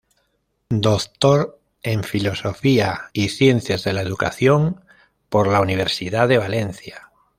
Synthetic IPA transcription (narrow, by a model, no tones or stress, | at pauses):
d̪okt̪oɾ | eɱfilo̞so̞fiaiθje̞nθjazðe̞laeðuka̰θjoŋ | poɾlauniβ̞eɾsiðaðe̞β̞alẽ̞n̟θja